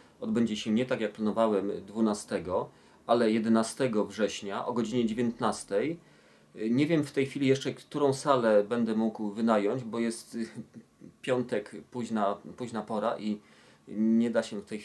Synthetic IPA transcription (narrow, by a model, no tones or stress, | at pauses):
ɔd̪bɛɲd͡ʑɛɕɛɲɛt̪akjak̚planɔvawɛmd̪vunast̪ɛɡɔ | alɛjɛd̪ɛnast̪ɛɡɔvʐɛɕɲaʔɔɡɔd͡ʑiɲɛd͡ʑevʲjẽnt̪nast̪ɛj | ɲɛvʲjɛmft̪ɛjxfʲilʲijɛʂt͡ʂɛkt̪uɾɔ̃w̃salɛbɛnd̪ɛmuɡwvɘnajɔɲd͡ʑbɔjɛst̪ | pʲjɔnt̪ɛkpuʑnapuʑnapɔɾaʔi | ɲɛd̪aɕɛft̪ɛj